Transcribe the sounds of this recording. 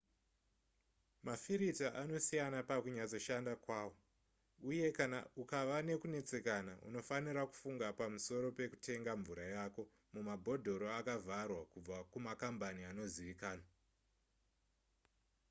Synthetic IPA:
mafiɾitaʔano̞sijanapakuɲat͡so̞ʃandakwaːwo | uje̞kanaukaʋane̞kune̞t͡se̞kanaṵno̞faniɾaku̥fuŋɡapamuso̞ɾo̞pe̞ku̥tʰe̞ŋɡaɱvuɾajako̞ | mumabʱo̞dʱo̞ɾoakavʱarwakub͡vakumakambaniano̞ziʋikaːna

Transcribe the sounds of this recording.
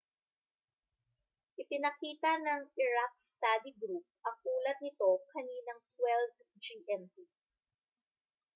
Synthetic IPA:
ʔɪpɪnɐkiːt̪ɐnɐŋʔɪɹak̚st̪ad̪iɡɾup̚ʔɐŋʔuːlɐt̪̚nɪt̪o̞kɐniːnɐŋt̪wɛlv | d͡ʒiʔɛnp̪i

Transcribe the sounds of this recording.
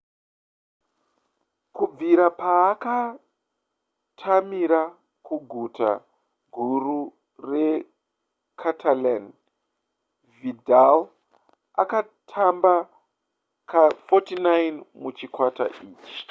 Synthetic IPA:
kub͡viɾapaːka | tʰamiɾa | kuɡʱuta̰ | ɡʱuru | re | kʰatʰalan | vidal | a̰ka | tʰamba | kafotinajnmut͡ʃikwata̰ʔiːt͡ʃi̥

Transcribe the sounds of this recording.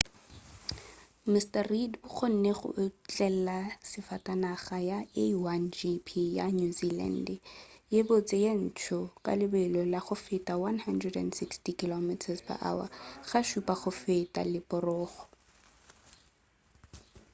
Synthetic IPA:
mɪstaridbʊχʊn̩neχʊ̰t͡ɬʼɛl̩lasɪfatʼanaχajaewand͡ʒipʰijanuzila̰ndjebot͡sejan̩t͡ʃʰʊkʼa̰lɪbɛlɔlaχʊfɪtʼawanhandrɛdɛ̰ndsɪkstikilomitʰaspa̰ʔa̰wa̰χaʃupʼaχʊfetʼa̰lɪpʼɔrɔːχɔ̥

